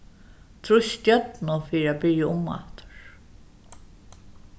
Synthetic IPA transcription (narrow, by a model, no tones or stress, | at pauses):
t̪ʰɾʊʃt̪jœt̪nʊfiːɾæbɪɹjaʊmːa̰ht̪ʊ̥ɹ̥